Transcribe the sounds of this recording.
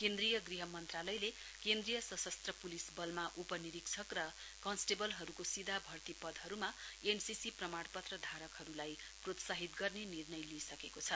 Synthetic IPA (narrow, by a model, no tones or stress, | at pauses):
kend̪rijʌɡriɦʌmʌnt̪ralʌjle | kend̪rijʌsʌsʌst̪rʌpulisbʌlmaʔupʌniɾiksʰʌkrʌ | kʌnsʈebʌlɦʌɾukosid̪ʱabʱʌrt̪ipʌd̪ʱɦʌɾumaensisiprʌmaɽpʌt̪rʌd̪ʱaɾʌkɦʌɾulaj | prot̪saɦit̪ɡʌrnenirnʌjliesʌkekot͡sʰʌ